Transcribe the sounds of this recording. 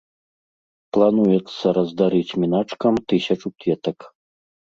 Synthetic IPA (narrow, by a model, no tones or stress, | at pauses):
plˠanujɛt̪sːɐɾɐzd̪aɾɨt͡sʲmʲinat͡ʂkɐmt̪ɨsʲɐt͡ʂup̪ʲvʲɛt̪ɐk